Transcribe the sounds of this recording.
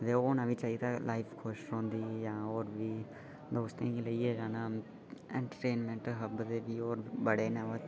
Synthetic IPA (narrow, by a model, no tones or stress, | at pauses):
d̪eoːnãːbit͡ʃaːit̪alʔaːɪfkʰoːʃɾõːnd̪iːjãːoːɾbʱiː | d̪oːst̪ẽɡiləied͡ʒaːna | ẽɳʈəʈeːnmẽɳʈɦəbd̪ebʱioːɾbəɽeːnaʋə